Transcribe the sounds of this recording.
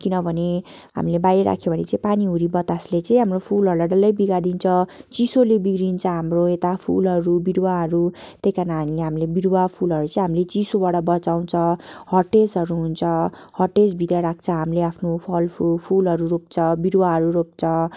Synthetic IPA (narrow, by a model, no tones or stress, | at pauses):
kinʌbʱʌne | ɦa̰milebajɾeɾa̰kʰjobʱʌnet͡saĩpaniɦuɾibʌt̪aslet͡saĩɦamropʰulɦʌɾulaɖʌlːʌjbiɡad̪int͡sʰʌt͡sisolebiɡɾint͡sʰʌɦamroet̪apʰulɦʌɾubiɾwaɦʌɾu | t̪ejkanaɽĩleɦamilebiɾwapʰulɦʌɾut͡sʌĩɦamilet͡sisobaɽʌbʌt͡saw̃t͡sʰʌhʌrʈesɦʌɾuɦunt͡sʰʌ | hʌrʈesbʱit̪rʌɾak̚t͡sʰʌɦamileapʰnopʰʌlpʰupʰulɦʌɾurop̚t͡sʰʌbiɾwaɦʌɾuɾop̚t͡sʰʌ